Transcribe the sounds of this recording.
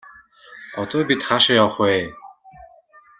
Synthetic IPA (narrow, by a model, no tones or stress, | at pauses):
ɔt̪ɔːbit̪χaʃəjɔχweː